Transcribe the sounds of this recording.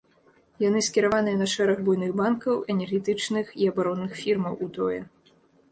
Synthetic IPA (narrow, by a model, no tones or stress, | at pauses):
jan̪ɨskʲiɾavanɨjɛnɐʂɛɾɐɣbujnɨɣbankɐwɛnʲɛrɣʲɛt̪ɨt͡ʂnɨxiɐbaɾɔnːɨxfʲirmɐwʔut̪ɔjɛ